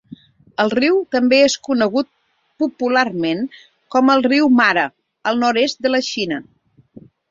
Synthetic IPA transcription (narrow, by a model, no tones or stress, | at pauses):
əlˠriwt̪əmbeeskunəɣut̪̚ | pupularmen | kɔməlˠriwmaɾə | əlˠnɔɾest̪̚d̪ələʃinə